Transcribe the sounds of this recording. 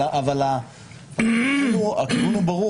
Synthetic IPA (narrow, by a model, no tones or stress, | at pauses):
aʔavala | akiuua̰kivunubaʁu